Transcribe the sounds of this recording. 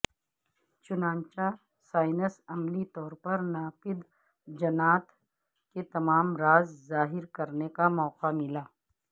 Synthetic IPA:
t͡ʃʊnãːnt͡ʃa | saːɪnəsɐmlit̪ɔːɾpɐɾnaːfɪd̪ | d͡ʒɐnaːt̪ | ket̪ɐmaːmɾaːzzaːɦɪɾkɐɾnekamɔːqamɪlaː

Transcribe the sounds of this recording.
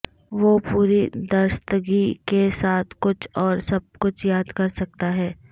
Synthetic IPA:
ʋoːpuːɾid̪ɐɾst̪əɡikesaːt̪ʰkʊt͡ʃʰɔːɾsɐb̚kʊt͡ʃʰjaːd̪kɐɾsɐk̚t̪aɦɛː

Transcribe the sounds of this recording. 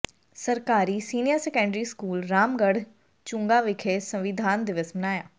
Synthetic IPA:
səɾkaːɾiːsiːnijəɾsɛːkə̃ɳɖɾiːskuːlɾaːmɡəɽ | t͡ʃʊ̃ːŋɡaːʋɪkʰesə̃ʋɪd̪ʱaːnd̪ɪʋɪsmənaːjaː

